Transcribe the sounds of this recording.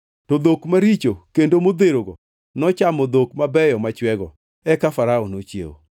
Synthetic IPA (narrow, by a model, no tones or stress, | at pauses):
tɔd̪okmaɾit͡ʃokendomod̪eɾoɡɔ | nɔt͡ʃamɔd̪okmabɛjɔmat͡ʃwɛɡɔ̰ | ɛkafaɾaɔnot͡ʃjḛo̰